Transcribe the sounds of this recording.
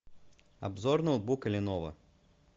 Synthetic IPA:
a̰bzɔrnɐw̪bukɐlʲinɔvɐ̰

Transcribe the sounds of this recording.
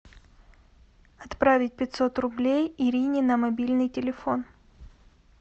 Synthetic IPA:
ɐt̪pɾavʲɪt̚ʲpʲɪtʲso̞t̪rʊblʲejɪɾʲinʲɪnəmɐbʲilʲnɨjtʲɪlʲɪfo̞n

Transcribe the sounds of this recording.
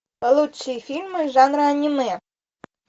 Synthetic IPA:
kɐlˠut͡ʃːijfʲilʲmɪʒɑnɾɐɐnʲimɪ

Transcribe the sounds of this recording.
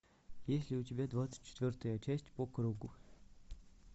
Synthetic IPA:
jesʲlʲiut̪ʲɪbʲad̪vat̪t͡s̪ə̥t͡ɕʰːɪ̥t̪vʲɔrt̪əjət͡ɕʰæsʲtʲpɔkruɡu

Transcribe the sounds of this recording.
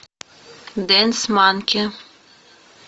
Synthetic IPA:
d̪ensmaːnkʲʰe

